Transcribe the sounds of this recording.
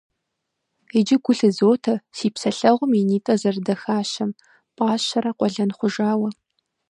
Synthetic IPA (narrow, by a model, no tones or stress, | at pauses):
ed͡ʒɪɡʷʊɬɨzoːtʰɐsiːpsɐɬɐʁʷʊminiːtʼɐzɐrdɐxaːɕɐm | pʼaːɕɐɾɐqʷʼɔɮɐnχʷʊʒaːwɐ